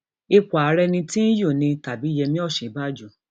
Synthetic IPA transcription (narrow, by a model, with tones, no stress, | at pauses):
e˦k͡po˨a˨˦ɾɛ˧nĩ˧tĩ˦n̩˦jo˦˨nĩ˧ta˨bi˨˦jɛ˧mĩ˦ɔ˦˨ʃĩ˨˦ba˦˨d͡ʒu˨